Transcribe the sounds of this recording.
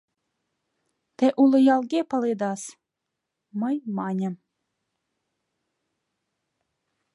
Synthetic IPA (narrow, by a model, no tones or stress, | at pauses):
t̪eʔulˠɨ̆jɑlˠɡʲepɑled̪ɑs | məjmɑnʲəm